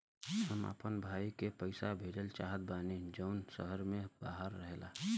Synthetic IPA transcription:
ɦəmə̰pənbʱaːikepəɪsabʱeːɖəlt͡ʃaːɦət̪̚baːned͡ʒəʊnsəɦəɾmẽbaːɦəɾːəɦlaː

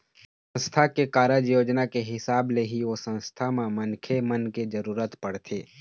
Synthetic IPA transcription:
sə̃nst̪ʰakekaːɾəd͡ʒjoːd͡ʒnakeɦɪsaːbleɦiosə̃nst̪ʰamẽmənkʰemənked͡ʒəɾuːɾət̪pəɽ̤t̪ʰeː

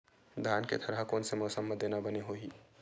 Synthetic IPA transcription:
d̪ʱaːnkḛt̪ʰəɾakoːnsemɔːsəmːəd̪eːnabəneɦoiː

